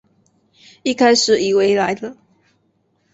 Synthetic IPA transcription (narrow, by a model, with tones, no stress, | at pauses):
i˥˩kʰa˥ɪʂɻ̩˨˩i˨˩we˧˦ɪla˧˦ɪd̪ə˦